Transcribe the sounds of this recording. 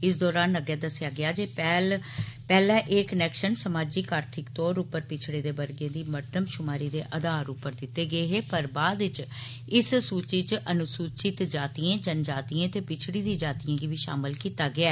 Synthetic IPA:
ɪs̬d̪ɔːɾaːnəɡɛːd̪əsːɪjaːɡɪaːd͡ʒeːpɛːlpɛːlɛ̃ːʔeːkənɛːkʃənsəmaːd͡ʒiːkaːɾt̪ʰɪkt̪õːɾupəɾpɪt͡ʃʰɽeːd̪eːbəɾɡẽːd̪iːməʈːəmʃʊmaːɾiːd̪ḛːʔəd̪aːɾuːpəɾd̪ɪt̪ːeːɡəeːɦeːpəɾbaːd̪ɪt͡ʃ | ɪssuːt͡ʃiːt͡ʃʔənʊsuːt͡ʃɪt̪d͡ʒaːt̪iːẽːd͡ʒənd͡ʒaːt̪iːẽːt̪eːpɪt͡ʃʰɽiːd̪ĩːd͡ʒaːt̪ijãːɡiːʋiːʃa̰ːmɪlkiːt̪aːɡɪaː

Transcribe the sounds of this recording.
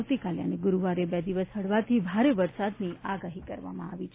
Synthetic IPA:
wt̪ikalja̰neɡʊɾuʋaɾebɛd̪iʋəsɦəɽʋat̪ʰibʱaɾeʋəɾsad̪niaɡaɦikə̰ɾʋa̰mã̰a̰ʋit͡ʃʰ

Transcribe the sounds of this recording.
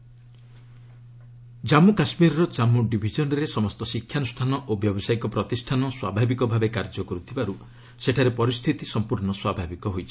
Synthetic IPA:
d͡ʒamukasmiɾɔɾɔd͡ʒamuɖibʱid͡ʒɔnɔɾesɔmɔst̪ɔsikʰːjanusʈʰanɔʔobjɔbɔsajikɔpɾɔt̪isʈʰanɔswa̰bʱabikɔbʱabekaɾd͡ʒɔkɔɾut̪ʰibaɾu | seʈʰaɾepɔɾist̪ʰit̪isɔmpuɾɳɔswabʱabikɔɦojt͡ʃʰi̥

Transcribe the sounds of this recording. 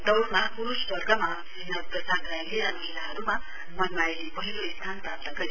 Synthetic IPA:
d̪ʌwmʌɦapuɾussʌrɡʌma | inʌbrʌsaɡʌɾajleɾamʌɦilaɦʌɾuma | mʌnlaj | bʌɦiloist̪ʰanprap̚t̪ʌɡʌɾi

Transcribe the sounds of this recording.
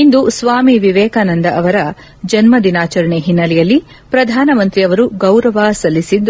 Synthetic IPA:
ind̪usʋaːmiʋiʋɛːkaːnɐnd̪ɐʔɐʋɐɾɐ | d͡ʒɐnmɐd̪inaːt͡ʃɐɾɐɳeɦinːɐlɛjɐlːi | pɾɐd̪ʱaːnɐmɐnt̪ɾiɐʋɐɾuɡɐwɾɐʋaːsɐlːisid̪ː

